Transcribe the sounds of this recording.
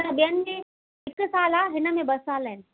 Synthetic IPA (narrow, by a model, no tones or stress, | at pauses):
ɾɐbijənɪ̆mẽ | ɪksaːlaɦɪnəmẽbɐsaːləɦɪnɪ̆